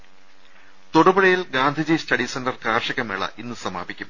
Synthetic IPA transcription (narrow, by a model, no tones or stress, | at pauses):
t̪oɽɐbɐɽɐjilɡaːnd̪ʱid͡ʑiːstɐɖisɐndɐrkaːrʂɐɣɐmeɭɐ̰ʔinːɨsɐma̰ːbikʲːum